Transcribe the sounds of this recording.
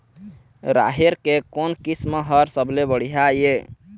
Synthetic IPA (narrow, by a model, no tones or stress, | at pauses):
ɾa̰ɦeɾkekonkisməɦəɾsəblebəɽ̤iɦaje